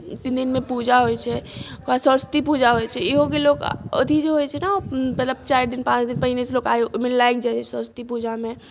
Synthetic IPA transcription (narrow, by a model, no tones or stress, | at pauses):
p̪nd̪inmepud͡ʒaɦojt͡ʃʰɛkasəst̪ipud͡ʒaɦojt͡ʃʰɛiɦokelokə̰d̪ʱid͡ʒeɦojt͡ʃʰɛnamət̪ləb̚t͡ʃaɾd̪inpãt͡ʃd̪inpəɦineselokajmelajk̚d͡ʒaɛt͡ʃʰɛsə̃st̪ipud͡ʒamẽ